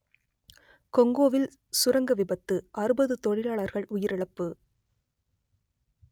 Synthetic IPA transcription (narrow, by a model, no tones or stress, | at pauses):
kɔŋɡoːʋɪl | sʊɾɐŋɡɐʋɪbɐt̪ːɯʔɐɾɯbɐðɯt̪ɔɻɪlaːɭɐɾɣɐɭʔʊjɪɾɛɭɐpːɯ